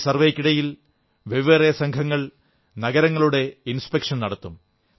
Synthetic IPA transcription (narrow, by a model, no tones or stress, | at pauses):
sɐrʋeːkːiɽɐjil | ʋeʋʋerejɐsɐŋkʰɐŋːɐɭ | nɐɡɐɾɐŋːɐɭuɽe̞inspekʂɐnnɐɽɐt̪ːum